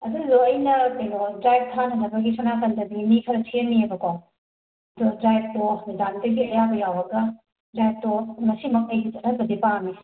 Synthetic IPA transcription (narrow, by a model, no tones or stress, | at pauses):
ɐduzoɐjnɐkɐjnodɾajb̚tʰanʰɐnɐbɐɡisʰɔnakɐndɐbimikʰɐɾɐtʰienːiebɐkow | ɐdodɾajb̚tonidamdɐɡiɐjabɐjawɐɡɐ | dɾajb̚tomɐsimɐk̚ɐjɡit͡ʃɐtʰɐt̚bɐdipami